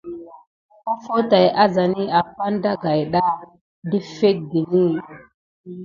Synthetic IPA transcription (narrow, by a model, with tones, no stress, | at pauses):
o˦fo˦ta˨ja˦za˨ni˦a˨pa˦nda˦ɡa˨jɗa˦ | di˦fe˦t̚di˨ni˦